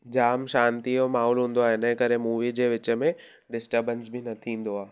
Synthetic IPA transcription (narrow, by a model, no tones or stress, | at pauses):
d͡ʑaːmʃaːnt̪ijomaːɦɔːlɦũːnd̪oaːɦeɪnəkɐɾemuːʋid͡ʑeːʋɪt͡ɕə̆mẽ | ɖɪsʈəɾbənsbɪnɐt̪ʰĩːn̆d̪oaːɦe